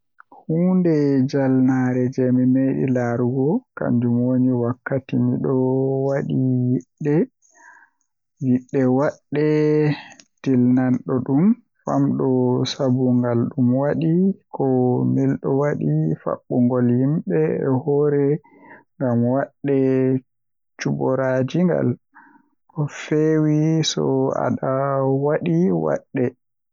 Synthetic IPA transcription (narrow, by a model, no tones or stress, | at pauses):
huːndɛd͡ʒalnaɾɛd͡ʒɛmimeɗḭlaɾuɡɔka̰ɲd͡ʒumwoɲiwakːatimiɗɔwaɗijiɗːɛ | jiɗːɛwaɗːɛ | tilnanɗɔɗum | fa̰mɗɔsabuŋɡalɗumwaɗikʰɔmilɗɔwaɗifa̰ɓːuŋɡɔlhimɓɛɛ̰hɔɾɛ | ŋɡamwaɗːɛ | t͡ʃubɔɾad͡ʒiŋɡa̰l | kɔfewisɔ̰a̰ɗawaɗiwa̰ɗːɛ